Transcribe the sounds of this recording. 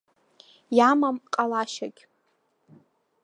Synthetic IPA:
jamamqʼalaʃaɡʲ

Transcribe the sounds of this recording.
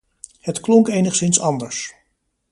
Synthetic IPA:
hətklɔŋkejnəχsɪnsɑndəɹs

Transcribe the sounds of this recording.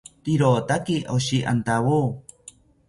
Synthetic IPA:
t̪iɾot̪akiʔoɕiʔa̰nt̪aβu

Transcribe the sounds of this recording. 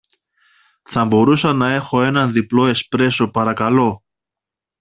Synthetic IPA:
θɐmbo̞ɾusɐnɐe̞xo̞e̞nɐnðiplo̞e̞spɾe̞so̞pɐɾɐkɐlo̞

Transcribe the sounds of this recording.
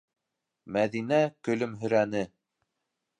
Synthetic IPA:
mæðinækɵ̆lɵmɦɵ̆ɾænɘ

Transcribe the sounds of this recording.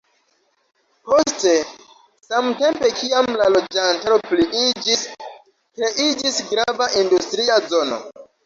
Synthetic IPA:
po̞ste̞ | samte̞mpe̞kʰiamlalo̞d͡ʒantaɾo̞pliʔid͡ʒis | kɾe̞ʔid͡ʒisɡɾavaʔindustɾiazo̞no̞̰

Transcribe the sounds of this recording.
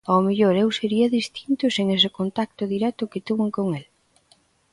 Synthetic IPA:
awmeʎoɾewseɾiɐðist̪int̪ʊseŋes̬ɪkont̪ak̚t̪ʊðiɾɛt̪ʊkɪt̪uβeŋkoŋel

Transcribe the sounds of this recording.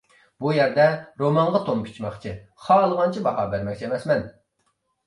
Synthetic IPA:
bujɛɾd̪ɛɾomɑŋʁɑt̪ʰomkʲʰi̥t͡ʃʰmɑχt͡ʃʰiχɑːlˠəʁɑnt͡ʃʰibɑɦɑbæɾmɛkʲt͡ʃʰiemɛsmɛn

